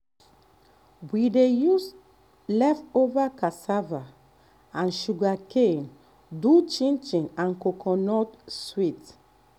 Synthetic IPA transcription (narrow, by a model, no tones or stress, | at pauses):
widejus | lɛfovakasava | ãnʃuɡaken | dut͡ʃĩnt͡ʃĩŋãnkokʰɔ̃nɔtswit